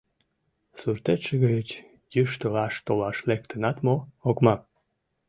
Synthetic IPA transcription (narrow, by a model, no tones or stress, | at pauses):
surt̪eʃəɣəjət͡ɕ | jyʃt̪olɑʃt̪olɑʃlekt̪ənɑt̪mookmɑ